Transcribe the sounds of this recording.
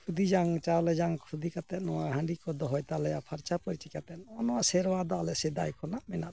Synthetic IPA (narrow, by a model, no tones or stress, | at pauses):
kʰud̪id͡ʒaŋt͡ʃalɛd͡ʒaŋkʰud̪ikat̪ɛt̪̚nɔwaɦaɳɖikɔd̪ɔɦɔjt̪alɛjapʰaɾt͡ʃapɔɾit͡ʃɛkat̪ɛnɔnɔasɛɾwad̪ɔalɛsɛd̪ajkʰɔnaʔmɛnat̪̚